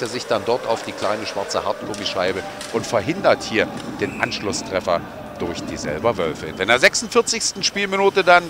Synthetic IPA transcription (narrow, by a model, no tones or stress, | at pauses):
eːzɪçd̥andɔɐtʰaʊfd̥iːkl̥aɪnəʃv̥aɐt͡səhaɐtkʰʊmiʃaɪbə | ʔʊntfɛɐɦɪndɐthiːɐd̥eːnʔa̰nʃlʊstʁ̥ɛfɐ | d̥ʊɐçd̥iːzɛ̰lbɐvœlfəɪ̰ndɛndeːɐzɛksʊntfɪɐt͡sɪçstn̩ʃpiːlminuːtədan